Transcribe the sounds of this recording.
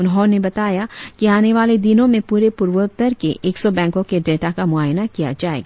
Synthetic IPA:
ʊnɦɔːnebɐt̪aːjakiaːneʋaːled̪ɪnõmẽpuːɾepuːɾʋət̪ːəɾkeʔʔeːksɔbɛ̃ːŋkõkeɖeːʈakamʊaːjnakija̰d͡ʒaːḛːɡaː

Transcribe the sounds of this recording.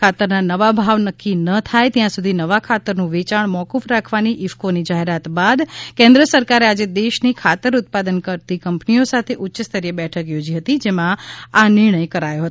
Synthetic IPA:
at̪əɾnanəʋabʱaʋnəkːinət̪ʰajt̪jãsud̪ʱinəʋakʰat̪əɾnũʋet͡ʃaɳmɔkufɾakʰʋaniʔɪʋkonid͡ʒaɦeɾat̪bad̪kẽnd̪ɾəsəɾkaɾead͡ʒed̪eʃnikʰat̪əɾʊt̪̚pad̪ənkəɾt̪ikəmpniosat̪ʰeʔʊtːʃəst̪əɾijəbɛʈʰəkjod͡ʒiɦət̪id͡ʒemãanɪɾɳ̃əjkəɾajoɦət̪

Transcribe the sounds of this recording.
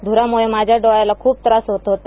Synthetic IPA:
d̪ʱuɾamuɭemad͡ʑʱaɖoʋajalakʰuːb̚t̪əɾasɦot̪ɦot̪a

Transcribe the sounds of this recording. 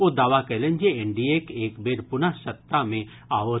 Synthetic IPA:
od̪aːʋakɛlẽnd͡ʒeeɳɖiekeːkbeːɾpʊnaʃɐt̪ːamẽ | aːʋo

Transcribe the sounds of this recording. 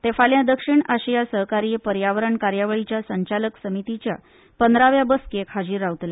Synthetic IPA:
t̪efaljãd̪əkʂiɳaɕjasəɦkaɾiːpəɾjaʋəɾəɳkaɾjaʋəɭit͡ɕjasəɲt͡ɕaləksəmit̪it͡ɕja̰ | pənd̪ɾaʋjabəskekʰad͡ʑiːɾaʋt̪le

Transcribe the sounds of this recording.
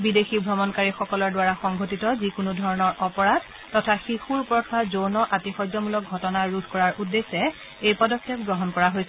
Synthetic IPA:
bidexibʱɹɔmɔnkaɹixɔkɔlɔɹdwaɹaxɔŋɡʱotitɔzikunudʱɔɹɔnɔɹʔɔpɔɹad̚ | tɔtʰaxixuɹpɹɔtʰazonɔʔatixɔjzɔmulɔk̚ɡʱɔtɔnaɹudʰʱkɔɹaɹʔudːesɛ | ejpɔdɔkʰːɛp̚ɡɹɔɦɔnkɔɹaɦojsɛ

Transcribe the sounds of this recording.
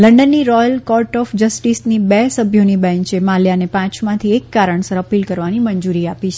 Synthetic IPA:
ləɳɖənːiɾɔjəlkɔɾʈɔfd͡ʒəsʈisnibɛsəbʱjonibɛ̃ɲt͡ʃemaljanepãt͡ʃmãt̪ʰiekːaɾəɳsəɾəpilkəɾʋaniməɲd͡ʒuɾiapit͡ʃʰe

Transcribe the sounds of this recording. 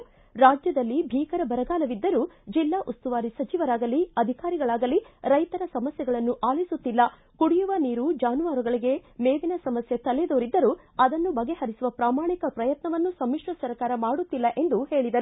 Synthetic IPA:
ɾaːd͡ʒjɐd̪ɐlːibʱiːkɐɾɐbɐɾɐɡaːlɐʋid̪ːɐɾud͡ʒilːaːʔust̪uʋaːɾisɐt͡ʃiʋɐɾaːɡɐliɐd̪ʱikaːɾiɡɐɭaːɡɐliɾɐjt̪ɐɾɐsɐmɐsjɛɡɐɭɐnːuʔaːlisut̪ːilːɐ | kuɽijuʋɐniːɾud͡ʒaːnuʋaːɾuɡɐɭiɡe̞meːʋinɐsɐmɐsjet̪ɐled̪oːɾid̪ːɐɾu | ɐd̪ɐnːubɐɡehɐɾisuʋɐpɾaːmaːɳikɐpɾɐjɐt̪nɐʋɐnːusɐmːiʂʋɐsɐɾkaːɾɐmaːɽut̪ːilːɐʔe̞nd̪uhe̞ːɭid̪ɐɾu

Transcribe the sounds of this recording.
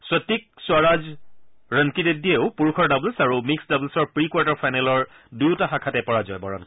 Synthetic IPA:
sɔtːik̚sʊwaɹazɹəŋkidedieʊpuɹukʰɔɹdablsaɹumiksdablsɔɹpɹikwaɹtaɹfʰajnɛlɔɹ | dujtaxakʰatɛpɔɹazɔjbɔɹɔ̰n

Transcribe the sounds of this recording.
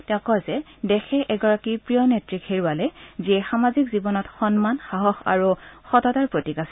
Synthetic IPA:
tɛʊ̃kɔzɛ | dɛxɛʔɛɡɔɹakipɹijɔnetɹikheɹualɛziɛxamazikzibɔnɔtxɔnmanxaɦɔxa̰ɹuxɔtɔtaɹpɹotikasɛ

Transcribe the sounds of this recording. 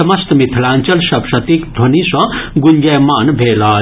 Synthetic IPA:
ɐmɐst̪mit̪ʰlãːnt͡ʃɐlʃɐbʂɐt̪ikd̪ʱonisɐ̃ɡuɲd͡ʒɐjmaːnbʱeːlaː

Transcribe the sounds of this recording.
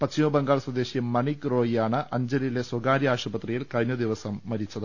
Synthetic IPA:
pɐt͡ɕːijobeŋɡaːɭɐswɐd̪e̞ːɕimɐɳikːro̞ːjijaːɳɨʔɐɲd͡ʑɐlile̞swɐɡaːɾiaːɕubɐt̪rijilkɐɻɲjɐd̪iʋɐsɐmːɐɾit͡ɕːɐðɨ

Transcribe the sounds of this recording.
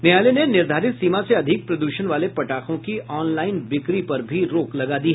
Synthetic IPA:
nejaːlenenɪɾd̪ʱaːɾɪt̪siːmaseɐd̪ʱɪk̚pɾɐd̪uːʃənʋaːlepɐʈaːkõkiʔɔːnlaːɪnbɪkɾipɐɾbʱiɾoːklɐɡad̪iɦ

